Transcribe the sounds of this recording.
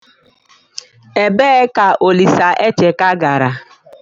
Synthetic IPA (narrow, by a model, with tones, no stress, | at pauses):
e˨be˦ka˨ʔo˨li˨sa˨ʔe˦t͡ʃe˨ka˦ɡa˨ɾa˨